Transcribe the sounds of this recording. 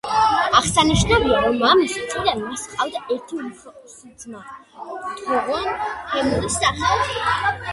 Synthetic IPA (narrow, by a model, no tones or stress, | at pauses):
aχsaniʃnɔbiaɾɔmːamist̪sʼid̪anvisqʼawd̪aʔɛɾt̪ʰiussuzma | t̪ʰʼɔʁɔnhɛmulisd̪aχɛd